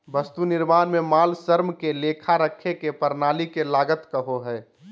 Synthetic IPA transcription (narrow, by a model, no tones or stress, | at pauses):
bəst̪unɪɾmaːnmemaːlsəɾmkeleːkʰaɾəkʰekepəɾnaːlikelaːɡət̪kəɦoɦɛː